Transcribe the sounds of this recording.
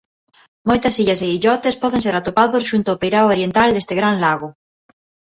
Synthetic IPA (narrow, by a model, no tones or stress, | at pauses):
mojt̪asiʎaseiʎɔt̪espɔð̞enseɾat̪opaðosʃunt̪oaopejɾawoɾjent̪ald̪est̪eɣɾanlaɣo